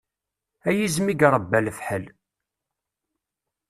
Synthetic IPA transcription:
æjizmiɡɾˤəbːælfħəl

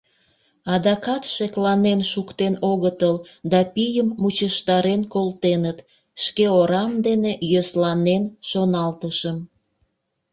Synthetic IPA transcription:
ɑd̪ɑkɑt̪ʃeklɑnenʃukt̪enoɣət̪əld̪ɑpijəmːut͡ɕəʃt̪ɑɾenkolt̪enət̪ | ʃkeoɾɑmd̪enejøslɑnenʃonɑlt̪əʃəm

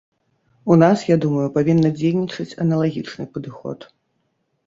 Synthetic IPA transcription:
unasjad̪umɐjupavʲinːɐd͡zʲejnʲit͡ʂɐt͡sʲɐnɐlˠaɣʲit͡ʂnɨpɐd̪ɨxɔ̰t̪

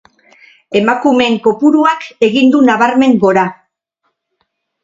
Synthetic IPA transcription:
e̞makume̞ŋko̞puɾuake̞ɣind̪unaβaɾme̞ŋɡo̞ɾa

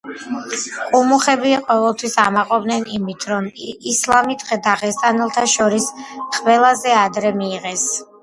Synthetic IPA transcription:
qʼumuχɛbiqʼɔvɛlˠt̪ʰwisamaqʼɔbnɛnimit̪ʰɾɔmislˠamid̪ʁɛd̪aʁɛst̪ʼanɛlˠt̪ʰaʃɔɾisχʼvɛlˠazɛad̪ɾɛmiːʁɛs

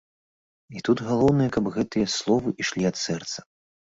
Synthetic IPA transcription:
it̪ud̪ɣalˠɔwnɨjɐkɐbɣɛt̪ɨjɐslˠɔvɨʔiʂlʲiɐt̪sɛrt̪sɐ̥

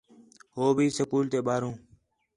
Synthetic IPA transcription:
ɦoːbʱiːsəkuːlt̪eːɓaːɾõː

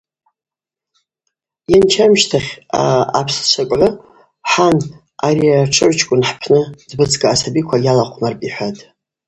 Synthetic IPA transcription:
jant͡ʃʰamʃtʰaχχʲaːpʰst͡ʃʷʰakʼʕʷʊ | ħan | aɾiaʈ͡ʂʰɨʕʷt͡ʃʰkʷʼʊnħpʰnɨd̥bɨt͡sʰɡʼaːsabikʷʰajalaqʷʰʼnarpʼiħʷatʼ

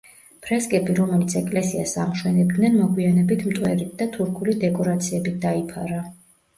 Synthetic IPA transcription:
pʰɾɛskʼɛbiɾɔmɛlit̪sʰɛkʼlɛsiasamʃwɛnɛb̚d̪nɛnmɔɡwianɛbit̪ʰmt̪ʼwɛɾit̪̚ʰd̪at̪ʰuɾkʰulid̪ɛkʼɔɾat̪sʰiɛbit̪̚ʰd̪aipʰaɾa

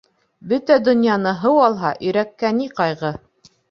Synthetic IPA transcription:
bɵt̪æd̪ŏnjɑnɤɦɤwɑlˠɦɑʔɵ̆jɾækːæniqɑjʁɤ

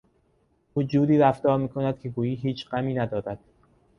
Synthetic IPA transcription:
uːd͡ʒuːd̪iːɾæft̪ɒːɾmiːkʰo̞næd̪̥̚kʲʰeɡuːjiːɦiːt͡ʃʰɢæmiːnæd̪ɒːɾæd̪̥

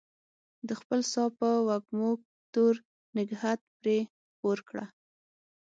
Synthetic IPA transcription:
d̪əxpəlsɑpəwaɡmoɡ̚ | t̪oɾ | nɪɡhat̪̚pɾe | poɾkɽa

